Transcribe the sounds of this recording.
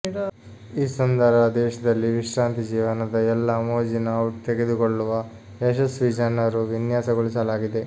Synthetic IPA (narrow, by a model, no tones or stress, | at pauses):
iːsɐnd̪ʱɐɾɐd̪ɛːʃɐd̪ɐlːiʋiʃɾaːnt̪id͡ʒiːʋɐnɐd̪ɐɛlːɐmoːd͡ʒinɐt̪eɡed̪ukoɭːuʋɐ | eʃɐsʋid͡ʒɐnɐɾuʋinjaːsɐɡoɭisɐlaːɡid̪e̞